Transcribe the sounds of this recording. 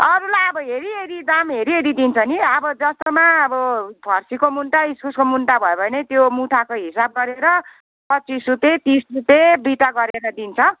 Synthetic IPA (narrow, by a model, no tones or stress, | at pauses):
ʌɾulajʌbʌɦeɾieɾid̪amɦeɾieɾid̪int͡sʰʌniʌbʌd͡zʌst̪omaʌbʌbʱʌrsikomunʈaiskʰuskomunʈabʱʌjebʱʌnet̪jomuʈʰakoɦisab̚ɡʌɾeɾʌ | pʌtt͡sisrut̪et̪isrut̪ebiʈaɡʌɾeɾʌd̪int͡sʰʌ